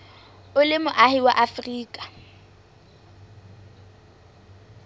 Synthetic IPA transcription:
ʊlɪmʊʔahɪwa̰ʔafriːkʼḁ

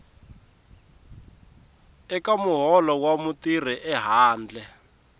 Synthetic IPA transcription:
ɛkamuɦɔlɔwamutir̤iʔɛɦaːnd͡ɮɛ

